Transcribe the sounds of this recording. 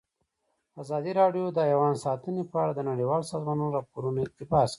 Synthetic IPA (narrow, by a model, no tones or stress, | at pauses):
azɑd̪iɾɑɖjod̪əjawɑnsɑt̪ənepəaɽad̪ənaɽiwɑlsɑzmɑnoɾɑpoɾunoɪt̪ɪbɑsk